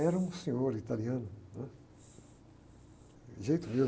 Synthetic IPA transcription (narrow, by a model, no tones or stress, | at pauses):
ɛɾɐũsẽɲoɾit̪aliɐ̃nʊnɛ̃ | ʒejt̪ʊme